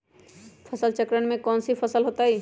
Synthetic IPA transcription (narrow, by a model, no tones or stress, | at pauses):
pʰəsəlt͡ʃəkɾəɳmẽkɔːnsipʰəsəlɦoːt̪aɦi